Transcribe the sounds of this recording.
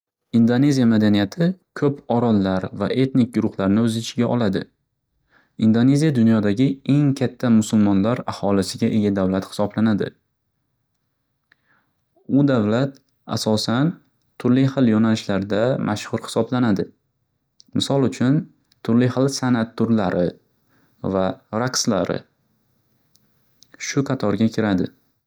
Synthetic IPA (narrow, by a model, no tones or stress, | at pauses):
ɪnd̪one̞zijamad̪anijat̪ʰɪkʰɵpɒɾɒlːaɾvaʔe̞t̪nɪk̚ʲɡʊɾʊχlaɾnɪɵzɪɪt͡ʃʰɪɡʲaʔɒlˠad̪ɪ̰ | ɪnd̪one̞zijad̪ʊnjɒd̪aɡʲɪe̞ŋkʲʰat̪ʰːamʊsʊlmɒnlaɾahɒlɪsɪɡʲaʔe̞ɡʲad̪avlat̪hɪ̥sɒblanad̪ɪ̰ | ʊd̪avlat̪ | a̰sɒsan | t̪ʰʊɾlɪχɨlˠjɒnalɪʃlaɾd̪amʔaʃhʊɾhɪ̥sɒblanad̪ɪ | mɪsɒlˠʊt͡ʃʰʊn | t̪ʰʊɾlɪhɨlˠsanat̪ʰːʊɾlaɾɪ | vaɾaqsla̰ɾɪ̰ | ʃʊqʰɑt̪ʰɒɾɡʲakʲʰɪɾad̪ɪ